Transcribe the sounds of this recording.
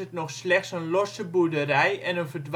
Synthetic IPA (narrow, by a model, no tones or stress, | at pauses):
ətnɔxslɛxtsənlosəbuədərɛjɛnənfərdʋ